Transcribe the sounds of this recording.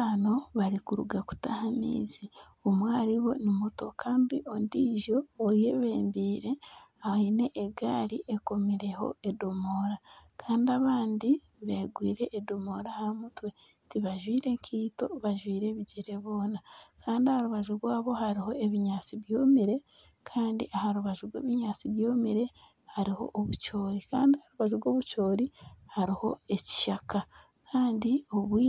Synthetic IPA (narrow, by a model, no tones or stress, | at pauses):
ano̞βaɾikuɾuɡaku̥tahamḭːzi | omwaːɾiβo̞nimuto̞kʰaːndiʔondiʒo̞ːje̞βeːmbiːɾe̞aaine̞ʔːɡaːɾiʔeko̞miɾe̞ho̞̰edo̞mo̞ɾakʰaːndiaβaːndi | βe̞ːɡwḭːɾe̞ʔːdo̞mo̞ɾahamutwe̞ | tiβaʒwiːɾe̞ŋkʰiːto̞βaʒwiːɾe̞βiɟiɾe̞βo̞ːnakʰaːndiahaɾuβaʒuɾɡwaːβo̞haɾiɦo̞e̞βiɲaːt͡siβjo̞ːmiɾe̞ | kʰaːndḭʔahaɾuβaʒuɾɡwḛːβiɲaːt͡siβjo̞ːmiɾe̞ | haɾiho̞̰ʔːβut͡ʃo̞ːɾika̰ːndiahaɾuβaʒuɾwo̞ːβut͡ʃo̞ːɾihaɾiho̞̰e̞ci̥ʃaka | kʰaːndioβwiː